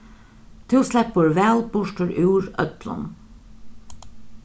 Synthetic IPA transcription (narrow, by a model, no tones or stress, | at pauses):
t̪ʰɪlslɛpəɹʋɛlbʊʂʈəɾʔʉːɹœ̰t̪lə̰n